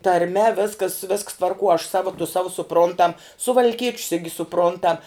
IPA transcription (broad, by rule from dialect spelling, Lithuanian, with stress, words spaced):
tɐrʲˈmʲɛ ˈʋʲɪskɐs ʋʲɪsks tʋɐrˈkuɔ ɐʃ ˈsɑːʋɐ tʊ ˈsɑːʋʊ sʊˈprʊntɐm sʊʋɐlʲˈkʲiɛt͡ʃʲs ɪɡʲɪ sʊˈprʊntɐm